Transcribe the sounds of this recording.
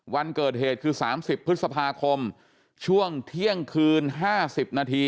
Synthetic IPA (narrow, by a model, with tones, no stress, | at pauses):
wa˧nkɤː˨˩t̪̚ɦeː˨˩t̪̚kʰɯː˧saː˩˦msi˨˩pʰːɾɯ˦˥t̪̚sa˧pʰaː˧kʰo˧m | t͡ɕʰu˥˩əŋt̪ʰi˥˩əŋkʰɯː˧nɦaː˥˩si˨˩p̚naː˧t̪ʰiː˧